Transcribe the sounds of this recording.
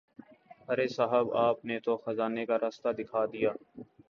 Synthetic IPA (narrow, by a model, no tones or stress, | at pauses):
əɾesaɦəbaːp̚net̪oxəzaːnekaɾaːst̪ad̪ɪkʰaːd̪ijaː